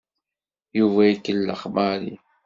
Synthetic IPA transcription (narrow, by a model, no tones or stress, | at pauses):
juvæikːəlːə̰χmaɾḭ